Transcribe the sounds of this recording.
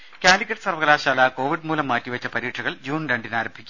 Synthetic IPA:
kʲaːlikʲːɐʈːsɐrʋɐɣɐlaːɕaːlaːko̞ːʋiɖmuːlɐmːaːtːiʋɐt͡ɕːɐpɐɾiːʈʂʰɐɣɐɭd͡ʑuːnɾeɳɖinaːɾɐmbʱikʲː

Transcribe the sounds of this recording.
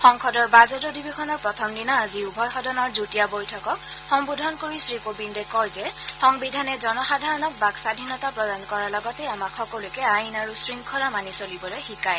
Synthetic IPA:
xɔŋkʰɔdɔɹbazɔtɔdibexʰɔnɔɹpɹɔtʰɔmdinaːziubʱɔjxɔdɔnɔɹzutijabɔjtʰɔkɔk | xɔŋbudʱɔnkoɹisɹikobindɛkɔjzɛxɔŋbidʱanɛzɔnɔxadʱaɹɔnɔk̚baksadʱinɔtapɹɔdankɔɹalɔɡɔtɛamakʰxɔkɔlʊkɛajnaɹusɹiŋkʰɔɹamanisolibɔlojxikaj

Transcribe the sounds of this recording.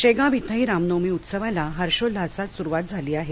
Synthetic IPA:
ɕeɡãbit̪ʰəɦiːɾamnomiːut̪səʋalaɦəɾɕolːasat̪suɾuʋat̪̚d͡zʱaliːaɦe

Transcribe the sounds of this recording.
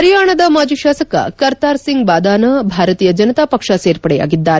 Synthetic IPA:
ɐɾjaːɳɐd̪ɐmaːd͡ʒuʃaːsɐkɐ̰kɐɾt̪aːɾsiŋɡbaːd̪aːnɐbʱaːɾɐt̪iːjɐd͡ʒɐnɐt̪aːpɐkʂɐseːɾpɐɽɛja̰ːɡid̪ːaːɾ

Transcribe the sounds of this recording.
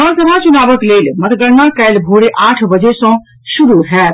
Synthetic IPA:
əsəbʱat͡ʃunabəklelmət̪ɡəɾnakɛlbʱoɽeʔaʈʰbəd͡ʒesə̃ | suɾuɦɛt̪

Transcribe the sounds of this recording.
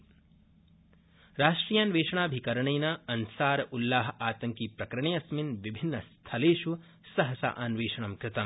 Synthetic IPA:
ɾaːʂʈɾiːjaːnʋeːʂɐɳ̃aːbʱikɐɾɐɳɐjnɐɐnsaːɾulːaːɦɐaːt̪ɐŋkipɾɐkɾɐɳejɐsminʋibʱinːɐst̪ʰɐleːʃu | sɐɦɐsa̰ːʔɐnʋeːʂɐɳ̃ɐmkɾɪt̪ɐm

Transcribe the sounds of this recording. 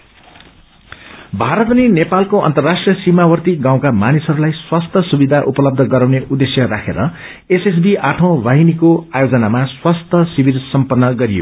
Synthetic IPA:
bʱaɾʌt̪ʌnenepalkoʌ̰nt̪ʌrːasʈrijʌsimawʌrt̪iɡãw̃kamanisʌɾulajswast̪ʰʌsubid̪ʱaʔupʌlʌb̚d̪ʱʌɡʌɾaw̃neʔud̪esjʌɾakʰeɾʌ | eses̬biʔaʈʰʌw̃baɦinikoajod͡zʌnamaswast̪ʰʌsibilsʌmpʌnːʌɡʌɾijo̰

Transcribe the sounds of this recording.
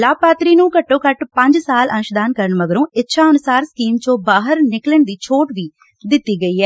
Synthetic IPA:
laːpaːt̪ɾiːnũːkəʈːõːkəʈpəɲd͡ʒsaːlənʊʃd̪aːnkəɾəɳməɡəɾõːɪtːʃʰaːənʊsaːɾsə̥kiːmt͡ʃõːbaːɦəɾnɪkləɳd̪iːt͡ʃʰoːʈʋiː | d̪ɪt̪ːiːɡəiːɛː

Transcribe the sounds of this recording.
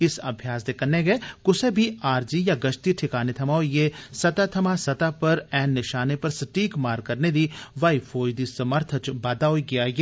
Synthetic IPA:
ɪsɐbʱjaːsd̪ekɐnːeɡeːkʊsebʱiaːɾd͡ʒijaɡɐʃt̪iʈʰɪkaːnet̪ʰɐmaojesɐt̪at̪ʰɐmasɐt̪apɐɾɛːnːɪʃaːnepɐɾsɐʈiːkmaːɾkɐɾned̪iʋaːifʰoːjd̪isɐməɾt̪ʰət͡ʃbaːd̪aoiɡɪjaːjeː

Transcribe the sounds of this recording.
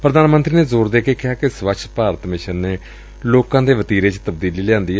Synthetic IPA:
pɾəd̪aːnmə̃nt̪ɾiːneːzoːɾd̪eːkeːkɪɦaːkɪsʋət͡ʃʰpaːɾət̪mɪʃənːeː | loːkãːd̪eːʋət̪iːɾeːt͡ʃt̪əb̚d̪iːliːlɪãːnd̪iːɛ

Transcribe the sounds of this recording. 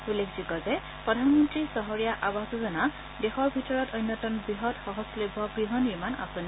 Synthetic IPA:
ulekziɡɔzɛ | pɹɔdʱanmɔntɹisɔɦɔɹijaʔabasɔzɔna | dexɔɹbʱitɔɹɔtojnːɔtɔnbiɦɔtxɔɦɔslobʱːɔɡɹiɦɔniɹmana̰sɔni

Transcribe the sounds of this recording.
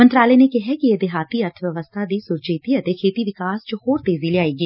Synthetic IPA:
ənt̪ɾaːlɛeːnekɛɦɛkied̪ɪɦaːt̪iəɾt̪ʰʋjəʋəst̪ʰad̪iːsʊɾd͡ʒeːt̪iət̪ekʰeːt̪iʋɪkaːst͡ʃhoːɾt̪eːzileaːeːɡiː

